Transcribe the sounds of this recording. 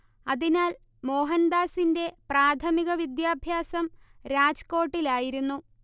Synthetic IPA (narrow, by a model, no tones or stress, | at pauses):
ɐðinaːl | mo̞ːɦɐnd̪aːsinde̞praːt̪ʰɐmiɣɐʋid̪jaːbʱjaːsɐmɾaːd͡ʑɐ̥ko̞ːʈːilaːjiɾunːu